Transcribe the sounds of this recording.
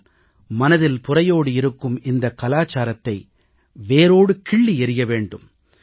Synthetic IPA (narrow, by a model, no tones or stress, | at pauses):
mɐnɐðɪlpʊrɐjoːɽɯɪɾɯkːɯmɪnd̪ɐkːɐlaːt͡ʃaːɾɐt̪ːɐɪ | ʋeːɾoːɽɯkɪɭːiɛɾɪjɐʋeːɳɖɯm